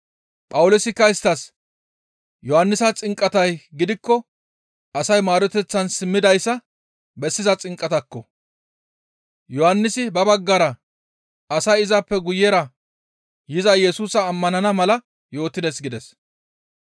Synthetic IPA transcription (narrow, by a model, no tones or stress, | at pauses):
pʼɐwʊlosɪkːɐɪst̪ɐs | jɔhɐnːɪsɐt͡sʼɪŋkʼɐt̪ɐjɡɪd̪ɪkːɔ | ɐsɐjmaːɾɔt̪ɛt͡sːɐnsɪmːɪd̪ɐjsːɐ | bɛsːɪzɐt͡sʼɪŋkʼːɐt̪ɐkːɔ | jɔhɐnːɪsɪbɐbɐɡːɐɾɐ | ɐsɐjɪzɐpːɛɡʊjːɛɾɐ | jɪzɐjɛsuːsɐːmːɐnɐnɐmɐlɐ | jo̞ːt̪ːɪd̪ɛsɡɪd̪ɛs